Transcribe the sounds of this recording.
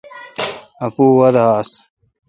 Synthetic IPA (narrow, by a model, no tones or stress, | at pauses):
ɐpuːwɐd̪aːs